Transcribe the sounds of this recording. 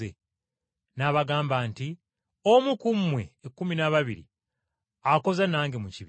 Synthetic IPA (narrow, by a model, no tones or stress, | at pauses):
e | naβaɡaːmbaːnti | omukumwe̞ːkːuminaβaβiɾḭ | ako̞zanaːŋɡemuciβ